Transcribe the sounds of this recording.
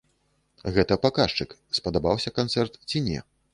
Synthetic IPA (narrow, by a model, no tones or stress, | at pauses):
ɣɛt̪ɐpakaʂt͡ʂɨkspɐd̪abawsʲɐkant̪sɛrt̪t͡sʲinʲɛ̰